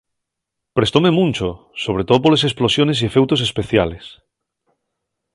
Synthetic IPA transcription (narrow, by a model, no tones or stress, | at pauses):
pɾe̞st̪ome̞mũnʲt͡ʃo | soβ̞ɾet̪oðop̬olesesplo̞sjo̞ne̞s̬iefewt̪osespeθjales